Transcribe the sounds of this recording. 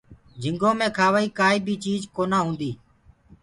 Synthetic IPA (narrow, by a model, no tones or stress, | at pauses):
d͡ʒʱɪ̃ŋɡõːmẽːkʰaːʋaːiːkaːiːbʱiːt͡ʃiːzkoːnaːɦũːnd̪iː